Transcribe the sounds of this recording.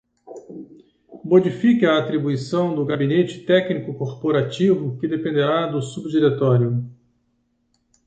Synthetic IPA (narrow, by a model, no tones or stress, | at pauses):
mod͡ʒifikɪaːt̪ɾibuisɐ̃w̃d̪ʊɡabinet͡ʃɪ̥t̪ɛknikʊkoɾpoɾat͡ʃivʊkɪd̪epẽnd̪eɾad̪ʊsubd͡ʒiɾet̪ɔɾjʊ